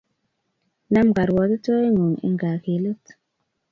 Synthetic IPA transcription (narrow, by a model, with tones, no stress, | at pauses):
na˦mɡa˨ɾwɔ˨˦də˦to˦e˦ŋo˨ŋḛ˦ŋɡa˨ke˨˦lə˦t